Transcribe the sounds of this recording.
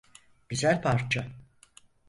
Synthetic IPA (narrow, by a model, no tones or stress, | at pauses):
b̥izæɾpʰaɾt͡ʃʰa